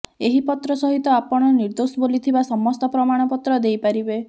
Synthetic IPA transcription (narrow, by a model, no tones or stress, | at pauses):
eɦipɔt̪ɾɔsɔɦit̪ɔapɔɽ̃ɔniɾd̪osɔbolit̪ʰibasɔmɔst̪ɔpɾɔmaɽ̃ɔpɔt̪ɾɔd̪ejpaɾibe